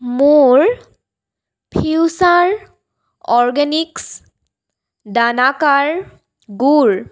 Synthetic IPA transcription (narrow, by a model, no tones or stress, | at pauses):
muɹ | pʰiwsaɹ | ɔɹɡɛniks | danakaɹ | ɡuɹ